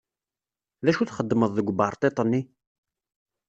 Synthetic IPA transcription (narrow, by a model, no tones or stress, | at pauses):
ðæʃuθχəd̪ːməðˤðəɡʷbɑɾˤt̪ˤet̪ˤənːi